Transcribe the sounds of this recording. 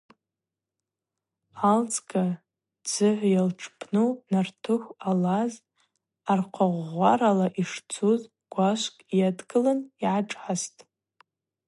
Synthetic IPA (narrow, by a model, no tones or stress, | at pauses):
alt͡sʰʼɡʰʼa | d͡zɨħʷjalʈ͡ʂʰpʰnunartʰɨkʷalaz | arqʰaʁʷaɾalaʔiʂt͡sʰuz | ɡ̥ʷaʃʷkʼjadɡɨlaniʕaʈ͡ʂʼħastʼ